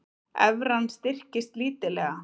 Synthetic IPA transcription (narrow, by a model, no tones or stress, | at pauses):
ɛvɾanst̪ɪr̥cɪst̪liːt̪ɪlɛːɣa